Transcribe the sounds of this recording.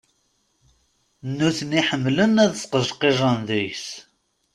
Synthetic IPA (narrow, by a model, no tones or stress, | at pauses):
nːuθəniħəmːlənæðsqəʒqeʒˤənðujs